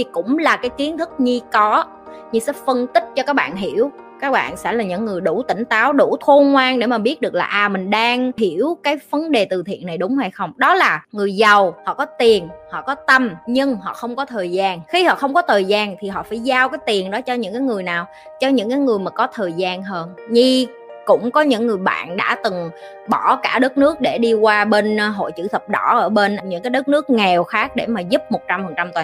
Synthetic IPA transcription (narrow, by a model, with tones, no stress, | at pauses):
i˨˩kʊ̰˧˥ŋ͡mlaː˨˩kaː˨˦jki˨˦ənt̪ʰɨ˦˥k̚ɲi˧kɔ˨˦ | ɲɨ˧sɛ̰˧˥fə˧nt̪ï˦˥k̟̚t͡ɕɔ˧kaː˦˥k̚ɓa̰ː˧˨nɦi˧˩əw | kaː˦˥k̚ɓa̰ː˧˨nsɛ̰˧˥laː˨˩ɲɨ̰˧˥ŋːɨ˨˩əjɗu˧˩t̪ï˧˩ŋ̟t̪aː˨˦wɗu˧˩t̪ʰo˧ŋwaː˧ŋɗe˧˩maː˨˩ɓi˦˥ət̚ɗɨ˨˩ək̚laː˨˩ʔaː˨˩mï˨˩ŋ̟ɗaː˧ŋɦi˧˩əwkaː˨˦jvə˨˦nɗe˨˩t̪ɨ˨˩t̪ʰḭ˧˨ənːa˨˩jɗʊ˨˦ŋ͡mha˧jxə˧wŋ͡mɗɔ˨˦laː˨˩ŋɨ˨˩əjzə˨˩whɔ̰˧˨kɔ˨˦t̪i˨˩ənhɔ̰˧˨kɔ˨˦t̪ə˧mɲɨ˧ŋɦɔ̰˧˨xə˧wŋ͡mkɔ˨˦t̪ʰəː˨˩jzaː˧˩nxi˧hɔ̰˧˨xə˧wŋ͡mkɔ˨˦t̪ʰəː˨˩jzaː˧nt̪ʰi˨˩ɦɔ̰˧˨faː˧˩jzaː˧wkaː˨˦jt̪i˨˩ənɗɔ˨˦t͡ɕɔ˧ɲɨ̰˧˥ŋkaː˨˦jŋɨ˨˩əjnaː˨˩w | t͡ɕɔ˧ɲɨ̰˧˥ŋkaː˨˦jŋɨ˨˩əjmaː˨˩kɔ˨˦t̪ʰəː˨˩jzaː˧nɦəː˧nɲi˧ | kʊ̰˧˥ŋ͡mkɔ˨˦ɲɨ̰˧˥ŋːɨ˨˩əjɓa̰ː˧˨nɗa̰ː˧˥t̪ɨ˨˩ŋ | ɓɔ˧˩kaː˧˩ɗə˦˥t̚nɨ˦˥ək̚ɗe˧˩ɗi˧kwaː˧ɓe˧n˧ɦo̰˧˨jt͡ɕɨ̰˧˩t̪ʰə˨˩p̚ɗɔ˧˩ʔəː˧˩ɓe˧nʔɲɨ̰˧˥ŋkaː˨˦jɗə˦˥t̚nɨ˦˥ək̚ŋɛ˨˩wxaː˦˥k̚ɗe˧˩maː˨˩zu˦˥p̚mo˨˩t̚t͡ɕa˧mfə˨˩nt͡ɕa˧mt̪wa˨˩